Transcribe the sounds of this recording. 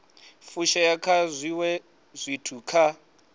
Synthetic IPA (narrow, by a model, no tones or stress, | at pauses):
fuʃajakʰazʷiwɛ | zʷitʰukʰa